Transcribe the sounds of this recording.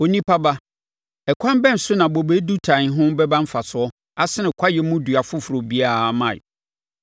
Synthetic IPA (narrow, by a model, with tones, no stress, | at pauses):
o˨nĩ˦pʰa˦ba˦ | ɛ˨kʷʰã˦m˦bɛ˦˨n̩˨sʊ˦nã˨bo˨be˦du˦tʰã˨n˨ɦʊ̃˦bɛ˦bã˦m̩˦fa˨sʊ˨˦ɔ˦ | a˦sɪ˦nɪ̃˨kʷʰa˦jɛ˨mʊ̃˦du˨a˨fʊ˦fʊ˨ɾo˨bi˦a˦˨mã̰˨